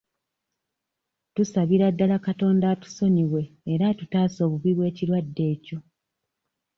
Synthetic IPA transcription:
tusaβiɾadːalakato̞ːndaːtu̥so̞ɲiβwe̞ːɾatutaːso̞ːβuβiβwe̞ːciɾwadːe̞ːco̞

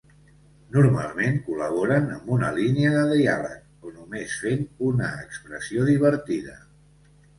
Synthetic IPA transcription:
nuɾma̰lˠmeŋkuləβ̞oɾənəmbunəliniəðəðialə̰k̚ | onumesfenunəːkspɾəsioðiβəɾt̪iðə̰

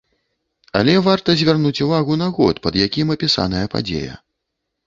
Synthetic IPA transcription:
ɐlʲɛvart̪ɐzʲvʲarnut͡sʲuvaɣunɐɣɔ̰t̪pɐd̪jakʲimɐpʲisa̰n̪ɐjɐpa̰d͡zʲḛjɐ̰

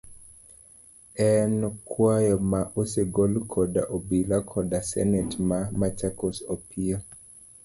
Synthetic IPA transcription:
ɛnkʰwajɔmaʔoseɡolkʰɔdaʔobilakʰɔdasɛ̰nɛtmamat͡ʃakosɔpio

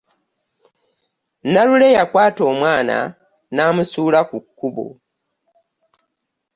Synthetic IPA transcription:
nalule̞jakwaːto̞ːmwaːna̰ | naːmusuːlakukːuβo̰

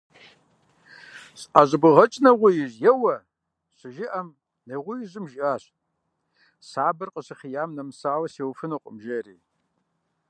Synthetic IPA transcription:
ɕʼaʑɨbɨʁɐt͡ʃʼnɐʁʷʊjɪʑjɛwɐ | ɕɨʒɪʔɐm | nejʁʷʊjɪʑɪmʒɪaːɕ | saːbɨrqʼəɕɨχijaːmnɐmsaːwɐseːwfɨnuqʷʼʊmʒɐriː

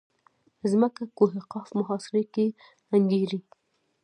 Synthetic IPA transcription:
zməkakoɦɪqɑfmʊɦɑsɪɾeke | aŋɡeɾi

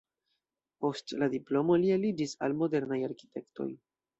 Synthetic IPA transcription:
po̞stladiplo̞mo̞lielid͡ʒisalmo̞de̞ɾnajaɾki̥te̞kto̞̰j

